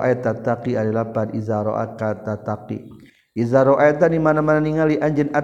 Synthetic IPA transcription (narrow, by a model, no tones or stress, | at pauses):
ʔa̰ɛt̪at̪akiadalabanizaɾoʔa̰kat̪at̪akḭ | izaɾɔʔaɛt̪animanamananiŋaliʔaɲd͡ʒɛna